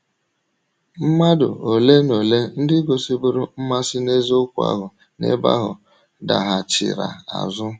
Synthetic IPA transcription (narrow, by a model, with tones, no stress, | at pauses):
m̩˦ma˦dʊ̰˨o˨le˦no˨le˦n̩˦dɪ˦ɡo˨si˦bu˦ɾʊ˦m̩˦ma˦sɪ˦ne˦zʊ˦kʷu˦a̰˦ɦʊ˨ | nḛ˦ba̰˦ɦʊ̰˨ | da˨ɦa˨t͡ʃɪ̰˨ɾa̰˨a̰˨zʊ˦